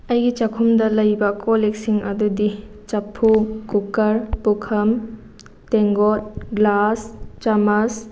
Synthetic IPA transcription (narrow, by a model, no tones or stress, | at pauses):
ɐjɡit͡ʃɐkʰumdɐlɐjbɐkʰoleksiŋɐdudi | t͡ʃɐpʰːukukɐɾpukʰɐm | teŋɡot̚ɡlast͡ʃɐmɐs